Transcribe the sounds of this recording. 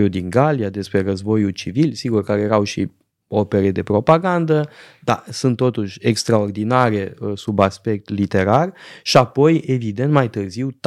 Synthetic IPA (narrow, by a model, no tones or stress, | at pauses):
jud̪iŋɡaliad̪e̞spɾe̞rəzbo̞jult͡ʃivilsiɡurkaɾejeɾawʃi | o̞pe̞ɾed̪e̞pɾo̞paɡand̪əd̪a̰sunt̪ːo̞t̪uʃʲe̞kst̪ɾao̞rd̪inaɾe̞subaspe̞k̚t̪lit̪e̞ɾarʃiapo̞je̞vid̪e̞nt̪majt̪ɨrziwt̪